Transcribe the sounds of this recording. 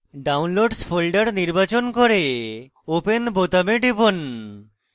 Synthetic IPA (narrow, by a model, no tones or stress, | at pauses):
ɖawnloɖsfʰolɖaɾniɾbat͡ɕonkoɾe | openbot̪ameɖibon